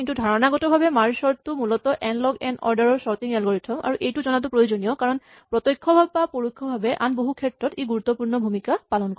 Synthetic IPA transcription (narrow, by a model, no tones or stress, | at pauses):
intudʱaɹɔnaɡɔtɔbʱabɛmaɹsɔɹtʊmulɔtɔʔɛnlɔɡɛnɔ̰ɹdaɹɔɹsɔɹt̪iŋɛlɡoɹitʰɔma̰ɹuʔejtuzɔnat̬upɹojuzonijɔkaɹɔn | pɹɔt̪ɔjkʰːɔbʱabpapoɹukʰːɔbʱabɛʔanboɦukʰɛtɹɔteɡuɹut̪ːɔpuɹnɔbʱumikapalɔnkɔ